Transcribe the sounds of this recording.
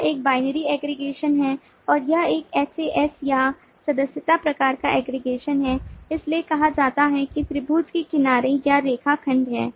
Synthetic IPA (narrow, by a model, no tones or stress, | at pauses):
eːk̚baːɪnəɾiɛːɡɾɪɡeːʃənɦɛ | ɔːɾjɐɦeːkɛːseʔɛsja | sɐd̪əsjət̪apɾɐkaːɾkaʔɛːɡɾɪɡeːʃənɦɛːɪsliekɐɦad͡ʒaːt̪aɦɛkit̪ɾɪbʱuːd͡ʒkikɪnaːɾejaɾeːkʰakʰɐ̃ɳɖɦɛː